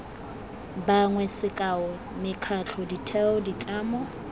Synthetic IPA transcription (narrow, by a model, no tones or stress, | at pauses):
baŋwɛsɪkʼaɔ | mɪkʰat͡ɬʰɔditʰɛɔdit͡ɬʼaːmɔ